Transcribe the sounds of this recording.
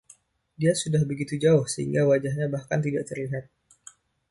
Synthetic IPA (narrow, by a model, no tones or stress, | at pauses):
diasudahbəɡit̪ud͡ʒaʊhsəɦḭŋɡawad͡ʒahɲabahkant̪idaʔt̪ərliɦat̪̚